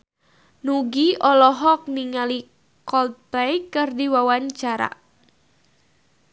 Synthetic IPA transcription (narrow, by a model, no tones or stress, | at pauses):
nuɡiʔɔlɔɦɔk̚niŋali | kɔl̚pɛjkɨrdiwawaɲt͡ʃaɾa̰